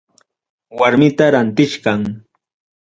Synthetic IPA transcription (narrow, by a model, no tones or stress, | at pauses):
waɾmɪt̪aɾant̪ɪʃɢɑŋ